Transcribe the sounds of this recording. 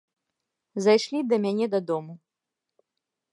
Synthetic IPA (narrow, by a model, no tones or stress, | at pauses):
zajʂlʲid̪ɐmʲanʲɛd̪ɐd̪ɔmu